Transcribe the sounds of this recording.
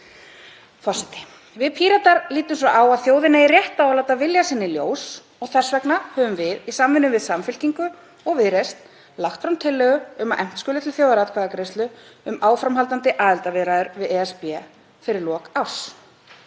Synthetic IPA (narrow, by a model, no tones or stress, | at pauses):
fɔr̥sɛt̪ɪ̥ | vɪðpʰiːɾat̪aɾliːt̪ʏmsɾaʔaːwaðθjoːwðɪnairjɛht̪aawlawt̪avɪljasɪnːɪljoːws | ɔɣθɛsvɛknahœːvʏmvɪðisamvɪnːʏvɪðsamfʏl̥ciŋkʏ | ɔɣvɪðɾest̪ | laxt̪fɾawnt̪ʰɪlːɛːɣʏʏmaʔɛm̥t̪skʏːlɪt̪ʰɪlθjoːwðaɾat̪kʰvaɣakɾejst̪ʏ | ʏmaːwfɾamɦalt̪ant̪ɪʔaːðɪlt̪avɪðɾaðʏɾvɪðɛɛspɛ | fɪɾɪɾlɔːkaws